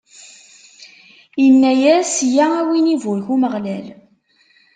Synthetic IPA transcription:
jənːæjæsjææwinivʊɾçuməʁlæl

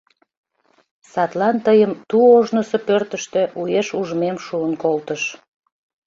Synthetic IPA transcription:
sɑt̪lɑnt̪əjəmt̪uoʒnosopørt̪əʃt̪ĕʔujeʃuʒmemʃuənkolt̪əʃ

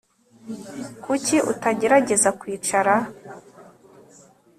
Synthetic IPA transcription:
kuciʔṵtaɟe̞ɾaɟe̞zakwiːt͡ʃaɾa

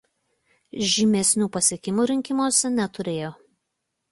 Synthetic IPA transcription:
ʒʲimʲɛsʲnʲuːpɐsʲeɛkʲɪmuːɾʲɪŋʲkʲɪmoɔsʲɛnʲɛt̪ʊɾʲeːjoː

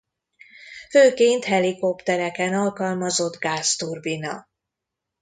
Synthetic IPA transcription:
føːkeːnt̪hɛliko̞pt̪ɛɾɛkɛnɒlkɒlmɒzo̞d̪ɡaːst̪urbinɒ̰

